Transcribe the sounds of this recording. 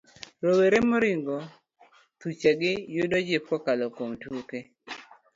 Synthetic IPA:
ɾoweɾemoɾiŋɡɔ | t̪ut͡ʃaɡɪjʊdɔd͡ʒɪp̚kɔkalɔkomtuoke

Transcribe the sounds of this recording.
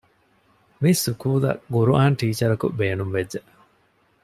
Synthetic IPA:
misukuːlɐ̰ɡuɾuʔaːnʈiːt͡ʃɐɾɐkṵbeːnumʋed͡ʒːe

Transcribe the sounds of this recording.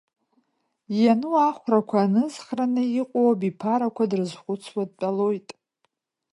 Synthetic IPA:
januaχʷrakʷʰaːnɨzχranɨiqʷʼowabipʰaɾakʷʰadrɨzχʷʊt͡sʰwad̚pʼalo̞jtʼ

